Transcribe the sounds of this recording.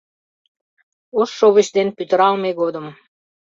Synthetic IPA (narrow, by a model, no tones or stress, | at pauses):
oʃːoβəɕd̪enpyt̪əɾɑlmeɣod̪ə̆m